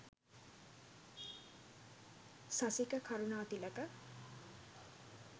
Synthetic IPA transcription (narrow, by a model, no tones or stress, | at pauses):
sasikəkʰaɾunaːt̪iləkə